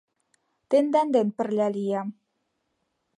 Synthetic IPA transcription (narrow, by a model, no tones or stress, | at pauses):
t̪end̪and̪en̚pəɾlalia